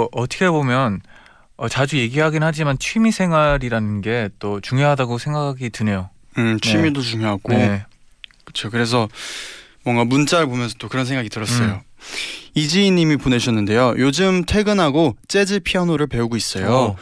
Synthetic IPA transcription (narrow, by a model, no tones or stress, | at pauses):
ʔʌtʰʌkʰebomjʌn | ʌt͡ɕad͡ʑuje̞ɡiɦaɡinɦad͡ʑimant͡ɕʰɥimisʰe̞ŋɦwaɾiɾanɯnɡe̞t͈ot͡ɕuŋjoɦadaɡosʰe̞ŋɡakʰaɡitɯne̞jo | ɯt͡ɕʰnimidot͡ɕuŋjoɦaɡoe | kɯ̥t͡ɕʰokɯɾe̞s̬ʰʌ | mwʌŋɡamunt͡ɕ͈aɾɯɭpomjʌnsʰʌt͈okɯɾʌns̬ʰeŋɡaɡitɯɾʌs͈ʌjo | id͡ʑiinːimipone̞ɕʰʌnːɯnde̞jojod͡ʑɯmtʰwe̞ɡɯnɦaɡot͡ɕ͈e̞d͡ʑɯɭpʰiʌnoɾɯɭpe̞uɡois͈ʌjo